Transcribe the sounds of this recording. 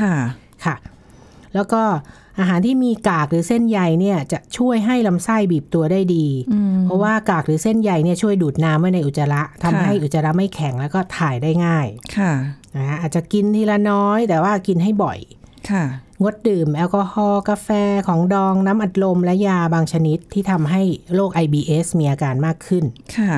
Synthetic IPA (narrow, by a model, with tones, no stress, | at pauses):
kʰ | kʰa˥˩ | lɛː˦˥wkɔː˥˩ | ʔaː˧ɦaː˩˦nt̪ʰiː˥˩miː˧kaː˨˩k̚ɾɯː˩˦se˥˩nja˧jni˥˩ɐt͡ɕa˨˩ʔt͡ɕʰu˥˩əjɦa˥˩jla˧msa˥˩jbiː˨˩p̚t̪u˧ɐdaː˥˩jdiː˧pʰɔ˦˥waː˥˩kaː˨˩k̚ɾɯː˩˦se˥˩nja˧jni˥˩ɐt͡ɕʰu˥˩əjduː˨˩t̪̚naː˦˥mːa˥˩˨na˧jʔu˨˩t̪̚sa˧ɾa˦˥ʔt̪ʰa˧mːa˦˩ɦa˥˩jʔu˨˩t̪̚sa˧ɾa˦˥ma˥˩jkʰɛ˨˩˦ŋlɛː˦˥wkɔː˥˩t̪ʰaː˨˩jdaː˥˩jŋaː˥˩jkʰa˥˩a˧ka˦˥ʔaː˨˩t̪̚t͡ɕa˨˩ki˧nt̪ʰiː˧˩la˧nɔː˦˥jt̪ɛː˨˩waː˥˩ki˧nɦa˥˩jbɔ̰˨˩jkʰa˥˩ŋo˦˥t̪̚dɯː˨˩mʔɛː˧wkɔː˧hɔː˧ka˧fɛː˧kʰɔː˩˦ŋdɔː˧ŋnaː˦˥mʔa˨˩t̪̚lo˧mlɛ˦˥jaː˧baː˧ŋt͡ɕʰa˧ni˦˥t̪ʰːiː˥˩t̪ʰa˧mɦa˥˩jloː˥˩k̚ʔa˧jbiː˧ʔeː˦˥smiː˧ʔaː˧kaː˧nmaː˥˩kʰːɯ˥˩nkʰa˥˩